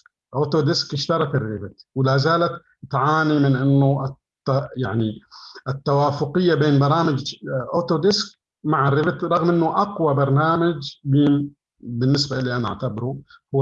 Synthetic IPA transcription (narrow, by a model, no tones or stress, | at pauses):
ʔoːt̪od̪ɪskʔɪʃt̪ɑɾˤɑt̪ɪrːɪbɪt̪wɪlaːzaːlat̪ | t̪ʕaːnimɪnʔɪnːʊɪtː | ajaʕniʔɪt̪ːawaːfʊqɪjːabeːnbɑɾˤɑːmɪd͡ʒʔot̪od̪ɪsk | maʕɪrːɪbɪt̪ɾˤɑɣmʔɪnːʊʔɑqwabɑɾˤnaːmad͡ʒbiːn | bɪnːɪsbaʔɪlːiʔanaʔa̰ʕt̪abɾuhʊː